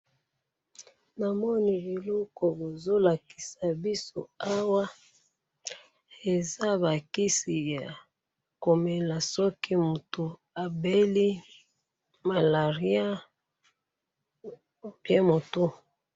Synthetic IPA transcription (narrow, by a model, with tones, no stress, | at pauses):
na˨mɔ˦ni˨bi˨lɔ˦kɔ˨bo˨zo˦la˨ki̥˨sa˨bi˦so˦a˦wa˦ | e˨za˦ba˨ki˦si˨ja˨ | ko˨me˨la˨sɔ˦ki˦mu˨to˨ | a˨be˦li˦ | ma˨la˨ʁi˦a˦ | pje˦mo˨to˦